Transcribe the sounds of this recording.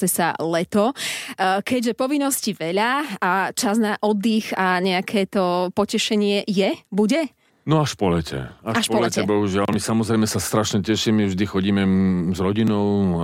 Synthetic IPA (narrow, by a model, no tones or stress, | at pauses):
ɛsa̰lɛt̪ɔ | kɛɟʒɛpɔʋinːɔsciʋɛʎaat͡ʃaznaʔɔd̪ːixaɲɛakʰɛːt̪ɔpɔcɛʃɛɲɪɛjɛbuɟɛ | nɔaʃpɔlɛcʰɛ̰aʃpɔɔlɛɛbɔɦuʒɪalmisamɔzɾɛɪmɛsast̪ɾaʃɲɛcɛʃimivʒd̪ixɔɟiːmɛzɾɔɟinɔʊ